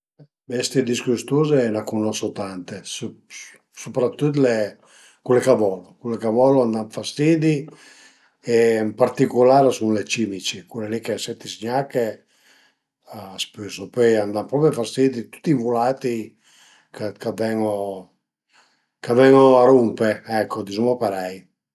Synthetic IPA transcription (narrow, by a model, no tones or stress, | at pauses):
bɛst̪id̪iskust̪uzenakunɔsot̪ant̪es | supɾat̪ːut̪le | kulekavɔlokulekavɔloand̪aɱfast̪id̪i | eɛmpaɾt̪ikulaːɾesunlet͡ʃimit͡ʃikulelikesɛt̪ːisɲakːe | aaspyzopɔjand̪ampɾɔpjofast̪id̪it̪u̥t̪ːivulaːt̪i | kakavɛŋo | kavɛŋoaɾumpeɛkʰːod̪izumopeɾɛj